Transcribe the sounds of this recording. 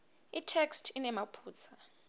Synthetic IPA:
itʰɛkstʰinɛmapʰuːt͡sʰa

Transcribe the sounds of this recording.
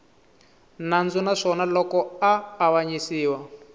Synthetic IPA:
nand͡zunaʂɔnalɔkɔaːβaɲisiːwa

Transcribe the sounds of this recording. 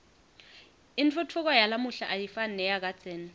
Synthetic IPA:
ɪnt͡fʰʊtʰʊk̬ɔjalamʊɬaʔajifan̩nɛjak̬ʼat͡sʰʼɛːnɛ

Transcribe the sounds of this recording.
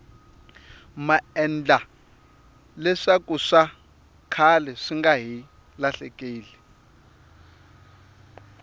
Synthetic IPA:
maɛnd͡ɮa | lɛʂakʼuʂa | kʰalɛʂiŋɡaɦi | laɬɛkʼiːli

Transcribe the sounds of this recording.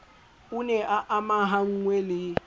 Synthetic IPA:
unɛʔaʔamaɦaŋ̩ŋwelɪ

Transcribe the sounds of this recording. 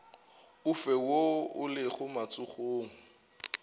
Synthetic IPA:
ʊfɛwoʊlɪχʊmat͡sʼʊχoːŋ̩

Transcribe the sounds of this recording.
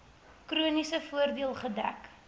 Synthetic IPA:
kruənisəfuərdiəlˠχədæ̰k

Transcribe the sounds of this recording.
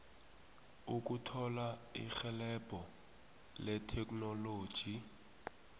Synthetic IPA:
uk̬ʼutʰɔlaḭxɛlɛb̥ʱɔ | lɛtʰɛkʼnoloːd̥ʒ̥ʱi

